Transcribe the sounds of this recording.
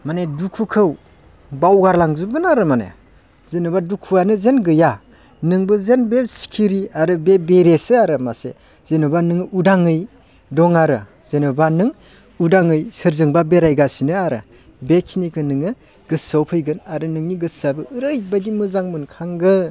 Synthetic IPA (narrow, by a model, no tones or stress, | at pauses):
manedukʰukʰɯw | bawɡaɾlaŋzɯb̚ɡɯnaɾɯmanḛ | zenɯbadukʰuanɯzenɡɯja | nɯŋbɯzenbesi̥kʰiɾiaɾɯbebeɾesɯaɾɯmasḛ | z̥enɯbanɯŋudaŋɯj | dɔŋaɾɯ | z̥enɯbanɯŋ | udaŋɯjsɯɾzɯŋbabeɾajɡasinɯaɾɯ̰ | bekʰinikʰɯnɯŋɯ | ɡɯsawpʰɯjɡɯnaɾɯnɯŋniɡɯsabɯʔɯɾɯjbajdimɯzaŋmɯnkʰaŋɡɯ